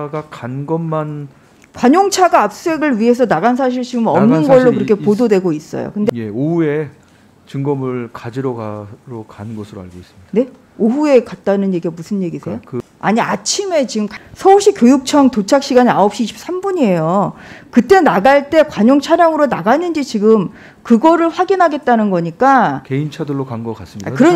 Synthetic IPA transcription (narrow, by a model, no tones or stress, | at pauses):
ɡakanɡʌmːan | kwaɲoŋt͡ɕʰaɡaːp̚s͈ue̞ɡɯɭɥiɦe̞s̬ʰʌnaɡansʰaɕ̬ʰiɭs͈umʌmnɯnɡʌɭːokɯɾʌkʰe̞pododwe̞ɡois͈ʌ̰jo̰kɯndeje̞ohue̞ | t͡ɕɯŋɡʌmɯɭkad͡ʑiɾoɡaɾokanɯnɡʌsʰɯɾoa̰ɭɡois͈ɯmid̥ne̞ | oɦue̞kat̚t͈anɯnje̞ɡiemusʰɯnje̞ɡisejokɯ | a̰ɲiat͡ɕʰime̞t͡ɕiɡɯmksʰʌuɕ͈ikʲjojuk̚t͡ɕʰʌŋtot͡ɕʰak̚ɕ͈iɡaɲiaʌp̚ɕ͈iːɕʰi̥p̚s͈ambuɲie̞jokɯt͈e̞naɡaɭt͈e̞kwaɲoŋt͡ɕʰaɾjaŋɯɾonaɡanɯnd͡ʑit͡ɕiɡɯm | kɯɡʌɾɯɭɸwaɡinɦaɡet̚t͈anɯnɡʌɲik͈akeint͡ɕʰadɯɭːokaŋɡʌkas͈ɯmiakɯɾʌ